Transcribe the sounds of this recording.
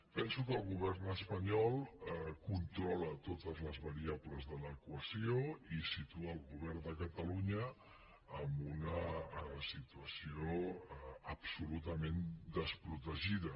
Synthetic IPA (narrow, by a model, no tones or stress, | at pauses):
pɛnsukəːlˠɣuβ̞ɛrnəspəɲɔlˠɛkunt̪ɾɔlət̪ot̪əzləzβəɾiabləzðələkuəsioisit̪uəːlˠɣuβɛrnd̪əkət̪əluɲəː | mbunəsit̪uəsio | əpsulut̪əmend̪əspɾut̪əʒiðə